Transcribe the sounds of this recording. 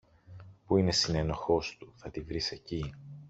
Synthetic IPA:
puine̞sine̞no̞xo̞st̪uθɐt̪ivɾise̞ci

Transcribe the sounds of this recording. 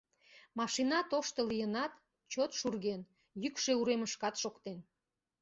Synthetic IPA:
mɑʃinɑt̪oʃt̪əlijənɑt̪ | t͡ɕot̪ʃurɣen | jykʃe̽uɾeməʃkɑt̪ʃokt̪en

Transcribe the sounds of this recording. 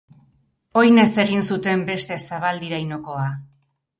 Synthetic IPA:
o̞jne̞se̞ɣ̞insut̪e̞mbe̞st̪e̞saβ̞ald̪iɾajno̞ko̞a

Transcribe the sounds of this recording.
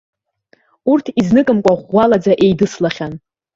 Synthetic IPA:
urtʰiznɨkʼɨmkʷʼaʁʷːalad͡zaʔe̞jdɨslaχʲan

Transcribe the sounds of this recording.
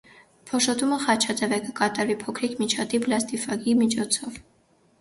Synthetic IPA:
pʰɔʃɔt̪uməχɑt͡ʃʰɑt̪ɛvɛkəkɑt̪ɑɾvipʰɔkʰɾikmit͡ʃʰɑt̪iplɑst̪ifɑɡimit͡ʃʰɔt͡sʰɔv

